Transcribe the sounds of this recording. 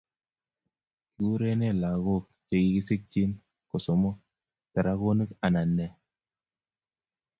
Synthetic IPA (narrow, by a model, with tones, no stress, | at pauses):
ku˦ɾe˦ne˦˨la˨ɣo˦˨k̚t͡ʃe˨ɡi˨ki˦sɪ˦k̚t͡ʃi˦n | ko˨so˨mo˦ | tɛ˨ɾa˦ɣo˦nɨ˦ka˨na˨nːɛ˨